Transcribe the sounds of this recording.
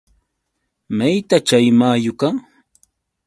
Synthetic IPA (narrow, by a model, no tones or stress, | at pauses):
majt̪at͡ʃajmaːjʊka